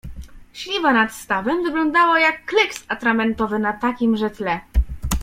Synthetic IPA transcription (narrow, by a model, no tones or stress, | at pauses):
ɕlʲivanat̪st̪avɛmvɘɡlɔ̃nd̪awajakːlɛksat̪ɾamɛnt̪ɔvɘnat̪akʲimʐɛt̪lɛ